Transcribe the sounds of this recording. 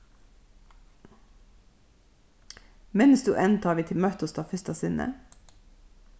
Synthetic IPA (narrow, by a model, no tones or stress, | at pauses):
mɛnsd̪ʉːʔɛnt̪ʰɑːʋiːt̪ʰɪlmɑt̪ɔst̪ɑːfʏst̪ɑsɪnə̰